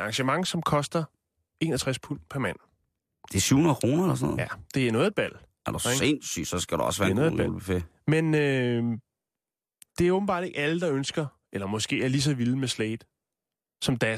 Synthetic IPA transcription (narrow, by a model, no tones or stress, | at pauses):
ɑ̈ŋɕəmɑ̈ŋ̰sɒ̽mkʰɒ̽sd̥ɐ | e̝̰ːnɐt͡sʰʁaspʰunpʰæɐmæn̰ | d̥e̝sy̰hunɐkʰʁoːnɐelɐsɔnɔ̰ðæd̥e̝ænɔːðˠed̥̚b̥æl̰ | æɐd̥uensy̰̥ːsɒ̽sɡ̥æɾ̥uɒ̽sʋæɐnɔðeb̥æ̰ulb̥ife | menø | d̥e̝æɐɔb̥̩b̥ɑ̰̈ːd̥e̝ɡ̥æləd̥ɑ̈ønsɡ̥ɐ | elɐmɒ̽sɡ̥e̝̰ːæɐlis̬ɒ̽ʋilˠmesleɪd̥ | sɒ̽md̥æ